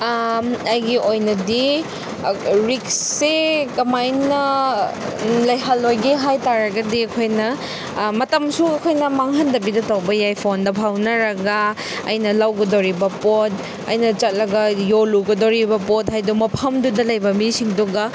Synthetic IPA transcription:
ɐjɡiʔojnɐdi | ɾiksːekɐmajnɐ | lɐjɦɐlːojɡiɦajtaɾɐɡɐdiɐkʰojnɐ | mɐtɐmsuɐkʰojnɐmaŋɦɐndɐbidɐtɐwbɐjajpʰondɐpʰawnɐɾɐɡɐ | ɐ̰jnɐlawɡɐdɐwɾibɐpot̚ | ɐ̰jnɐt͡ʃɐt̚lɐɡɐjoluɡɐdɐwɾibɐpot̚hajdumɐpʰɐmdudɐlɐjbɐmisiŋduɡɐ

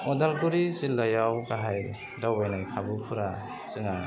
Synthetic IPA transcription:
ɔdalɡuɾizilːajawkaɦaj | dawbajnajkʰabɯpʰuɾa | sɯŋa

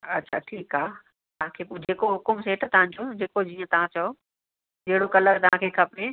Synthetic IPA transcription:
ɐtːɕʰaʈʰiːkɦaː | t̪ɐʋãkʰeːpd͡ʑeːkoɦʊkʊmseːʈʰt̪ɐʋ̤ãɲ̆d͡ʑod͡ʑeːkod͡ʑiːə̃t̪ɐʋ̤ãt͡ɕɐo | d͡ʑeɦɪɽokɐləɾt̪ɐʋ̤ãkʰeːkʰɐpɾe

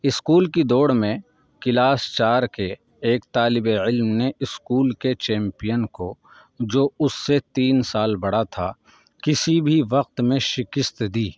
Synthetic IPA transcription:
ɪskuːlkid̪oːɽmẽ | kɪlaːst͡ʃaːɾkeː | kt̪aːlɪbeɪlmneʔɪskuːlket͡ʃɛ̃ːmpijənko | d͡ʒoːʊsːet̪iːnsaːlbɐɽ̤at̪ʰa | kɪsibʱiʋɐq̚t̪mẽʃɪkɪst̪d̪iː

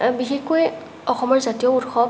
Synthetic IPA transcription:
bixexkoj | ɔxɔmɔɹzatijɔutxɔ

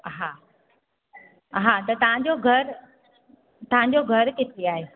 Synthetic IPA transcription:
ɦaː | ɦat̪ɐt̪ɐʋ̤ãɲ̆d͡ʑoɡʱɐɾ | t̪ɐʋ̤ãɲ̆d͡ʑoɡʱɐɾkɪt̪ʰeaːɦeː

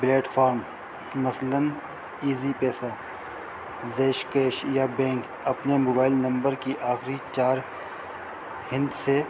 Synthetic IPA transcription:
bleːʈfʰaːɾm | mɐslən | iːzipɛːsa | zeːʃkeːʃjabɛ̃ːŋk | ɐpnemoːbaːɪlnɐ̃mbəɾkiʔaːxɾit͡ʃaːɾ | hɪ̃nd̪se

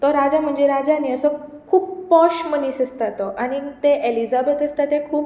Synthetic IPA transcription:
t̪ɔɾad͡ʑam̤əɳd͡ʑeɾad͡ʑaniːəsəkʰuːp̚pɔɕmənisəst̪at̪ɔʔañit̪eʔelizabət̪əst̪at̪ekʰuːp̚

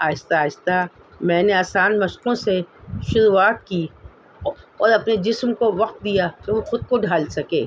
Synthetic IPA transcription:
aːɪst̪aːɪst̪a | mɛ̃ːneaːsaːnmɐʃqõseʃʊɾuaːt̪̚ki | ɔːɾɐpned͡ʒɪsmkoʋɐq̚t̪̚d̪ijakoõxʊd̪̚koɖʱaːlsɐkeː

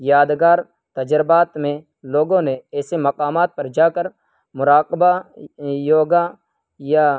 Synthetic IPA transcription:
jaːd̪ɡaːɾ | t̪əd͡ʒɾɪbaːt̪mẽ | loːɡõneɛːsemɐqaːmaːt̪̚pɐɾd͡ʒaːkəɾ | mʊɾaːkba | joːɡa | ja

